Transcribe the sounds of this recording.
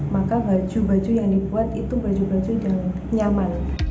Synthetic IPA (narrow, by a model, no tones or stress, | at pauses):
makabad͡ʒubad͡ʒujaŋdibuat̪̚it̪ubad͡ʒubad͡ʒudaŋ | ɲarman